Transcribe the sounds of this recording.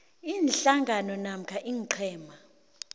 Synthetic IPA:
iːnɬaŋɡʱanɔnam̩kʰaʔiŋǃʰɛːma

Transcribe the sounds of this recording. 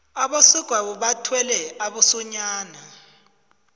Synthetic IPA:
aɓosiɡ̥ʱwaɓuɓatʰwɛlɛaɓusɔɲaːna

